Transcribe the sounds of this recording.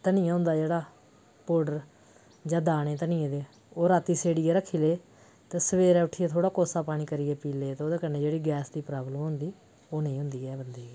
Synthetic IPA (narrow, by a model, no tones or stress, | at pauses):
t̪ənɪ̃jãːɦʊ̃nd̪aːd͡ʒeːɽaː | poːɖəɾ | d͡ʒãːd̪aːɽ̃eːt̪ənɪ̃ːẽːd̪eː | oːɾaːt̪iːseːɽieːɾəkʰːiːleː | t̪ẽːsəʋeːɾɛːʊʈʰiːeːt̪ʰoːɽaːkoːsaːpaːɽ̃iːkəɾieːpiːleːt̪eːoːd̪eːkənːeːd͡ʒeːɽiːɡɛːsd̪iːpɾaːbləmɦʊnd̪iː | oːnẽĩːɦʊ̃nd̪iːɛːbənd̪iː